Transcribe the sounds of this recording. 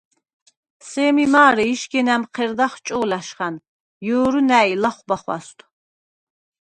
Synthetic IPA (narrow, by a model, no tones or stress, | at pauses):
sɛːmimaːɾɛiʃɡɛnæmqʰɛɾd̪aχt͡ʃʼɔːlaʃχan | jɔːɾunæːilaχʷbaχwa̰st̪ʰ